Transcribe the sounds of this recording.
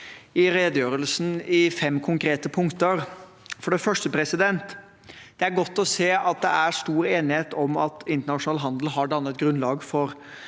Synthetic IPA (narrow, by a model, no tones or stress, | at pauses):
ɪɾeːd̪jøːɾəlsn̩ɪfɛmːkʰʊŋkɾeːt̪əpʰʊŋkt̪əɾ | fɔɖɛfœʂʈəpʰɾɛsɪd̪ɛnt̪ | d̪̥ɛæɾɡɔt̪ːɔseːɑt̪̚d̪ɛæɾst̪uːɾeːnɪheːt̪ɔmɑt̪ɪnt̪əɳɑʂʊnɑːlɦɑnd̪l̩ɦɑɖɑnːət̪̚ɡɾʉnlɑːɡfɔɾ